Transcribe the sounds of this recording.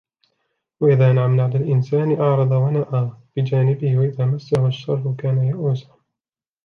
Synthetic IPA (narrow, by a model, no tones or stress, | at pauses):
waʔɪðaːʔnʕamnaʕd̪alʔɪnsaːnɪʔɑʕɾˤɑd̪ˤɑwanaʔaːb̥ɪd͡ʒaːnɪbɪhɪwaʔɪðaːmasːahʊʃːɑɾˤfʊkaːnajaʔuːsa